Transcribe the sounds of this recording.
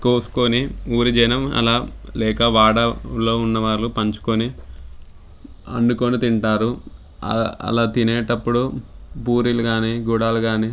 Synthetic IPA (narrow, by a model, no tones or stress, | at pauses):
koːsu̥koniuːɾid͡ʒɐjnɐmɐ̰laːlɛːkɐʋaːɽɐlo̞ːunːɐʋaːɾlupɐɲt͡ʃu̥koni | ɐ̰ɳɖukoːnit̪iɳʈaːɾṵ | ɐ̰laːt̪ineːʈɐpːuɽupuːɾiluɡaːniːɡuɽaːluɡaːniː